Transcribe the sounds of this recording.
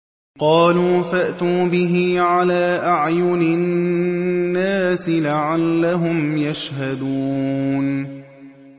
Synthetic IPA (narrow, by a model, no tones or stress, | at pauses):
qɑːluːfaʔt̪uːbɪɦɪʕalaːʔaʕjʊnɪ | nːaːsɪlaʕalːaɦʊmjaʃhad̪uːn